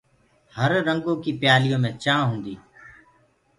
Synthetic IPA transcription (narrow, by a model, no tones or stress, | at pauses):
həɾːə̃ŋɡõːkiːpjaːlɪjõːmẽːt͡ʃãːɦũːnd̪iː